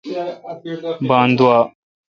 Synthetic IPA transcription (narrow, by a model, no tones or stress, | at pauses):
bãːnd̪ʊwaː